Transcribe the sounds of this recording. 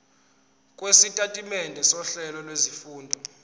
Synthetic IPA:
kʼwesitʼatʼimɛndʱɛsɔɬɛlɔlwezifuːndʱɔ

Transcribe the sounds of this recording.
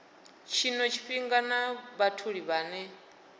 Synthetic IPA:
t͡ʃʰinɔt͡ʃʰi̥ɸiŋɡanaβatʰuɺiβaːnɛ

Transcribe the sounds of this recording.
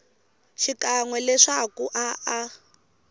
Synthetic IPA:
ʃikaŋwɛlɛʂakuʔaʔa

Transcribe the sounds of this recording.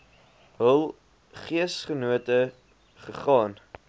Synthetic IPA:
ɦəlˠ | χiəsχənuətə | χəχɑːn

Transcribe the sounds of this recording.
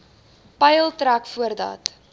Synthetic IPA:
pɐjəlˠtɾækfuərdɐ̰t

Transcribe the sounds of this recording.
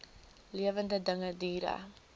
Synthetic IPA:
liavand̪ad̪aŋad̪iɾa̰

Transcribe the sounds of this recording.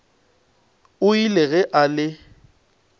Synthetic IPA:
ʊileɣɛʔalɪ

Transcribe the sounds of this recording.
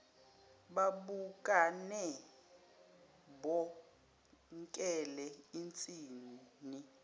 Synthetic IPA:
ɓaɓukʼanɛ | bɔ | ŋkʼɛlɛint͡sʼiːnini

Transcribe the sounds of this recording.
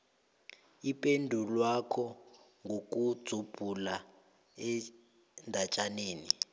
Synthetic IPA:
ipʼendʱulwakʰɔ | ŋʱok̬ʼud̥z̥ʱub̥ʱula | ɛ | ndʱat͡ʃʼaneːni

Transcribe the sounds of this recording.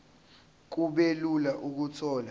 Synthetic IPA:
k̬uɓelulaʔuk̬ut͡sʰɔːla

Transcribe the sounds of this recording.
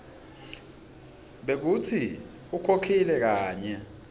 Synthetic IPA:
ɓek̬ut͡sʰi | ukʰokʰilɛk̬aːɲɛ

